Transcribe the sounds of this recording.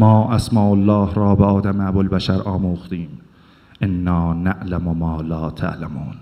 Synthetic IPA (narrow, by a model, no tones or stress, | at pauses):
mɑːʔæsmɑːʔalːɑːhɾɒːbeɒːd̪amabolbæʃæɾʔɒːmuːxt̪iːm | ʔenːɑːnaʔlamomɑːlɑːt̪ʰa̰ʔlamuːn